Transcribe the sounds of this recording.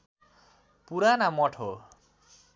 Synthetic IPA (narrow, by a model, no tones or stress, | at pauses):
puɾanamɔʈʰo